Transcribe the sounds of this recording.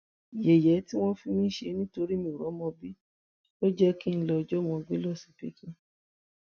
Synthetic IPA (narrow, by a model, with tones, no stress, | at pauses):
je˨jɛ˨˦ti˦w̃ɔ̃˦fi˧nĩ˦ʃe˧˦nĩ˦to˧ɾi˦mĩ˧˨ɾɔ̃˨˦mɔ̃˧bi˦ | o˦d͡ʒɛ˦ki˦n̩˦lɔ˧d͡ʒɔ˦mɔ̃˧ɡ͡be˦lɔ˦˨si̥˨pḭ˦kĩ˦